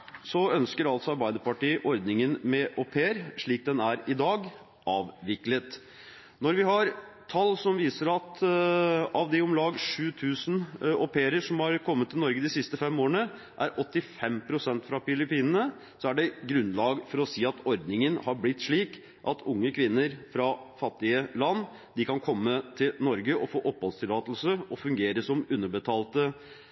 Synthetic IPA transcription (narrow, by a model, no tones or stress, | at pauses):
sɔœnskəɾɑlt̪sɔɑɾbæɪd̪əpɑʈiːʔɔɾd̪nɪŋənmɛʔɔpʰeːəɾʂɭiːk̚d̪ɛnæɾɪd̪ɑːɡ | ʔɑːʋʋɪklət̪ | nɔɾʋɪhɑɾ | t̪ʰɑlːsɔmʋiːsəɾɑt̪ | ɑʋd̪ɛɔmlɑːɡʂʉːt̪ʰʉːsnɔpʰeːəɾəʂɔmhɑɾkʰɔmːət̪ːɪlnɔɾɡəd̪ɪsɪst̪əfɛmːoːɾəɳə | ʔæɾʔɔt̪ːɪfɛmpʰɾʊsɛnt̪fɾɑfɪlɪpiːnənə | sɔæɖɛɡɾʉnlɑːɡfɔɾɔsiːɑt̪ʰɔɾd̪nɪŋənhɑɾblɪt̪ːʂɭiːk | ʔɑt̪ʰʊŋːəkʰʋɪnːəɾfɾɑfɑt̪ːɪəlɑnː | d̪ɪkɑnkʰɔmːət̪ʰɪlnɔɾɡəʔɔfoːʔɔphɔlst̪ʰɪlɑːt̪lsəɔfʉŋɡeːɾəsɔmʉnːəbət̪ʰɑːlt̪ə